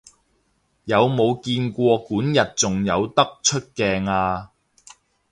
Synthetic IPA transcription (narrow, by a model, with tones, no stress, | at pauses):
jɐ˨˧wmo˨˧wkiː˧nkʷɔː˧kuː˨˥njɐ˨t̚t͡sʊ˨ŋjɐ˨˧wt̪ɐ˥k̚t͡ʃʰɵ˥t̚kɛː˧ŋaː˧